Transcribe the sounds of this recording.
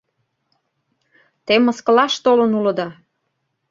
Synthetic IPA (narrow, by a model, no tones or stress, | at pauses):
t̪emːə̆skə̆lɑʃt̪olənulə̆d̪ɑ